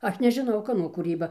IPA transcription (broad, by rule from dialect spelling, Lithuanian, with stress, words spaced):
ˈɐʃ nʲɛʒʲɪˈnɐʊ ˈkɑːnoː kuːˈrʲiːbɐ